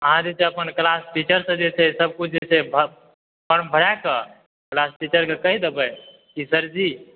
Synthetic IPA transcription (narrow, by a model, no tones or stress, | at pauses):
əɦãd͡ʒet͡ʃʰeəpənklasʈit͡ʃəɾsə̃d͡ʒet͡ʃʰɛsəb̚kut͡ʃʰd͡ʒet͡ʃʰebʱ | pəɾmbʱəɾakə | klasʈit͡ʃəɾkekəɦid̪ebɛ | kisəɾd͡ʒi